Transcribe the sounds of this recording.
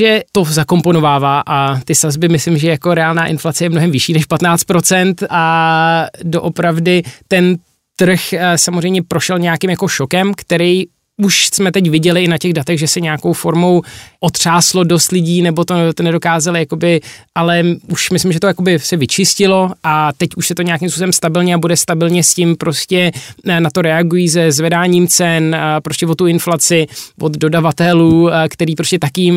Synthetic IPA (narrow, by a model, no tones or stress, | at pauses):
ʒɛt̪o̞zako̞mpo̞no̞vaːvaːʔat̪ɪsazbɪmɪslɪmʒɛjakoɾɛaːlnaːʔɪnflat͡sɛjɛmnoɦɛmvɪʃiːnɛʃpat̪naːt͡st̪̚pɾo̞t͡sɛnt̪ʔa | do̞ʔopɾavdɪt̪ɛn | t̪r̩xsamozrɛjmɲɛpɾoʃɛlɲɛjakɪmjako̞ʃo̞kɛmkt̪ɛɾɛj | uʃsmɛt̪ɛc̬vɪɟɛlɪɪnacɛɣdat̪ɛɣʒɛsɛɲɛjako̞wfo̞ɾmowʔot̪r̝̥aːslo̞do̞st̪lɪɟiːnɛbo̞t̪ot̪onɛdo̞kaːzalɪjakobɪʔalɛuʃmɪslɪmʒɛt̪o̞jako̞bɪsɛvɪt͡ʃɪscɪlo̞ʔat̪ɛcuʃsɛt̪oɲɛjakɪms̬pusobɛmst̪abɪlɲɛabudɛst̪abɪlɲɛscɪmpɾo̞scɛnat̪o̞ɾɛaɡujiːs̬ɛzvɛdaːɲiːmt͡sɛnpɾo̞scɛvo̞t̪ːuɪnflat͡sɪvod̪do̞davat̪ɛluːkt̪ɛɾiːpɾoscɛt̪akɪjɪm